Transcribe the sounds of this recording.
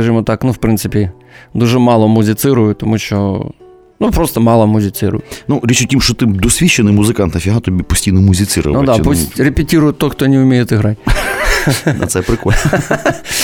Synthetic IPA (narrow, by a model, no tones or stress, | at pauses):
kɐʒɪmɔt̪ɑknuwpɾɪnsɪpʲi | d̪uʒɛmɑlˠɔmʊzʲɪt̪sɪɾʊjʊt̪ɔmuʃt͡ʃɔ̰ | nupɾɔst̪ɐmɑlˠɐmʊzʲɪt̪sɪɾʊ̰jʊnuɾʲit͡ʃʊtʲimʃt͡ʃɔt̪ɪd̪ɔsʲʋʲit͡ʃːenɪmʊzɪkɑnt̪nɐfʲiɦat̪ɔbʲipʊsʲtʲijnɔmuzʲɪt̪sɨɾʊ̰ʋnʊɐd̪apusʲrepʲɪtʲiɾʊjʊt̪ɔxt̪ɔnʲɛʊmʲejet̪ɪɦɾɑtʲ | nɐ̰t̪sɛpɾɪkɔlʲ